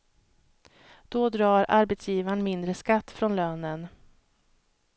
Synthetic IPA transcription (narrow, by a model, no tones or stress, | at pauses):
d̪̥ɔd̪ɾɑːɾa̰ɾbɛt̪sjiːvaɳmɪnd̪ɾəskat̪ːfɾɔnløːnən